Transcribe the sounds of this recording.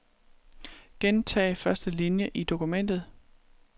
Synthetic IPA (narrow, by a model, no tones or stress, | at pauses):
ɡ̥ent͡sʰɛ̰ːɪfɶɐsd̥əlinjəʔid̥o̝kumen̰d̥ð̞̩ˠ